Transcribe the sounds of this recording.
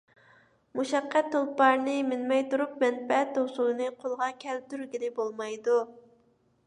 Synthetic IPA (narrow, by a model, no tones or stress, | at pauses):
muʃɛqːæt̪ʰːolˠpɑɾnɨmɪlmɛjt̪uɾup̚mɛnbɛɛt̪̚ːosulɨnɨqʰolˠʁɑkʲʰɛl̚t̪yɾɡʲilɪbolˠmɑjd̪u